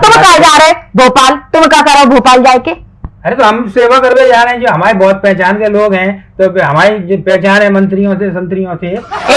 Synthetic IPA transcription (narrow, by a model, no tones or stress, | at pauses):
t̪ʊmkaːd͡ʒaːɾebʱoːpaːlt̪ʊmkakɐɾeobʱoːpaːld͡ʒaːekeː | ɐɾet̪oɦɐmseːʋakɐɾbed͡ʒaːɾeɦɛ̃d͡ʒoːɦɐmaːɾebɔːt̪̚pɛ̃ːt͡ʃaːnkeloːɡɦɛ̃ːt̪oːɦɐmaːɾed͡ʒoːpɛːt͡ʃaːnɦɛ̃mɐ̃nt̪ɾijõsesɐ̃nt̪ɾijõsee